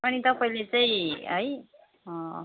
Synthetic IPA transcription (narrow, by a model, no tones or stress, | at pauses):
ʌnit̪ʌpailet͡saĩɦʌj | ʌ